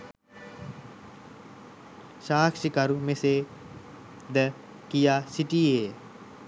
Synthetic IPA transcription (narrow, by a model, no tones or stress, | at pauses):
ʃaːkʃikɐɾumeseː | d̪ə | kijaːsiʈieː